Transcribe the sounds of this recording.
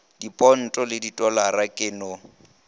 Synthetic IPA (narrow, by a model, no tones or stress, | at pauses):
d̥ipʼɔn̩tʼɔlɪditʼɔlarakʼɪːnɔ